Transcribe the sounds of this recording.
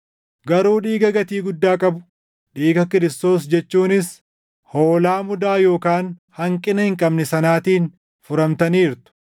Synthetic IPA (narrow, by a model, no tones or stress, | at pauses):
ɡɐɾuːᶑiːɡɐɡɐt̪iːɡʊd̪ːaːkʼɐbʊ̥ | ᶑiːɡɐkɪɾɪst̪o̞ːs̬d͡ʒɛt͡ʃːuːnɪs | hoːlaːmʊd̪aːjo̞ːkaːnhɐŋkʼɪnɐhɪŋkʼɐbnɛsɐnaːt̪iːn | fʊɾɐmt̪ɐniːɾt̪ʊ̥